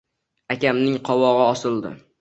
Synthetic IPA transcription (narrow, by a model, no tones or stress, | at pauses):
akʲamnɪŋqʰɒwɒʁɨɒsɪlˠd̪ɪ̰